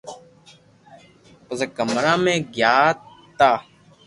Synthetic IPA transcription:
pəzəkəmɾaːmẽːɡjaːtt̪aː

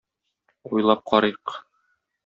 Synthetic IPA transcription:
ujlˠɑp̚qʰɒɾɤjq

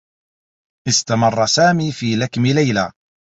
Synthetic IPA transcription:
ʔɪst̪amɑrˤːɑsaːmiːfiːlakmɪlajlaː

